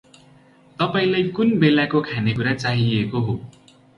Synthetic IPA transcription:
t̪ʌpaĩlajkunbelakokʰanekuɾat͡saɦiekoɦo

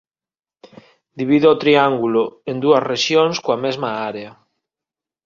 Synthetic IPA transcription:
d̪iβ̞iðoot̪ɾiaŋɡuloend̪uɐsreʃjonskoamezmaaɾea

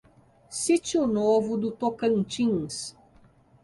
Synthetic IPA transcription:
sit͡ʃiʊnovʊd̪ʊt̪okɐ̃nt͡ʃĩŋs

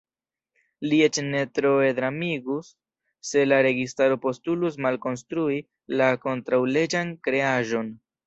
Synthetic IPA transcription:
lie̞t͡ʃne̞tɾoedɾamiɡusː | e̞laɾe̞ɡistaɾo̞po̞stulus̬malko̞nstɾui | lako̞ntɾawle̞d͡ʒankɾe̞aʒo̞n

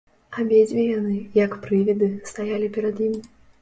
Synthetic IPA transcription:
abʲed͡zʲvʲijanɨjɐkpɾɨvʲid̪ɨst̪ajalʲipʲɛɾɐd̪jimʲ

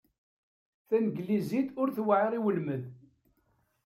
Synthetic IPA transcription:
θænəɡlizid̪ʊɾθwaʕəɾˤiwəlməð

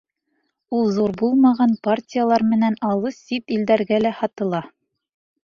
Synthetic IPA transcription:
ulˠzuɾbulˠmɑʁɑnpartʲijalˠɑɾmɘ̆nænɑlˠɤsipild̪æɾɡælæhɑt̪ɤ̆lˠɑ

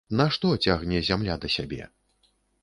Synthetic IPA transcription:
naʂt̪ɔt͡sʲaɣnʲɛzʲamlʲad̪ɐsʲabʲɛ̰

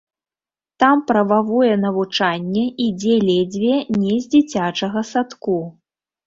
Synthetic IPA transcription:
t̪ampɾɐvavɔjɛnɐvut͡ʂanʲːɛid͡zʲɛlʲɛd͡zʲvʲɛnʲɛzʲd͡zʲit͡sʲat͡ʂɐɣɐsat̪ku

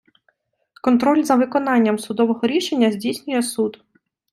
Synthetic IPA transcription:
kɔnt̪ɾɔlʲzɐʋɪkɔnɑnʲːɐmsʊd̪ɔʋɔɦɔɾʲiʃenʲːɐzʲdʲijsʲnʲʊjɛsud̪

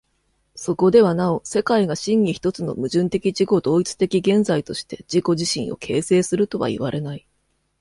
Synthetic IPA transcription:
so̞ko̞d̪e̞βanao̞se̞kaiɡaɕĩŋɡʲiçi̥t̪o̞t͡sɨno̞̰mɯ̟ʑɨ̃nt̪e̞kʲid͡ʑiɡo̞d̪o̞ːit͡sɨ̥t̪e̞kʲiɡẽ̞nd͡zait̪o̞ɕi̥t̪e̞d͡ʑiko̞ʑiɕĩɰ̃o̞̰kʰe̞ːse̞ːsɨɾɯ̟t̪o̞βa̰ḭβaɾʔe̞nai

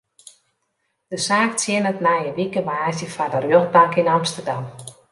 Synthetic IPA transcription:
d̥əsaːk̚tjɪnətnajəʋikəʋaːzjəfadərjøχ̚baŋkinɑmstərdɑm

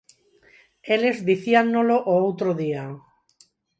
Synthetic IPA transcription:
elezðiθianːoloʔoowt̪ɾoðia

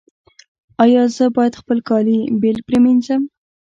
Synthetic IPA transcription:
ɑjɑzəbɑjat̪χpəlkɑlibelpɾement͡ʃam

